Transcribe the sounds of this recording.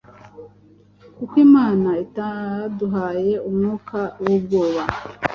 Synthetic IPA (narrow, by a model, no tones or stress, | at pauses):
kukwimaːnaitaduɦaːje̞umŋuːkawubɡoːβa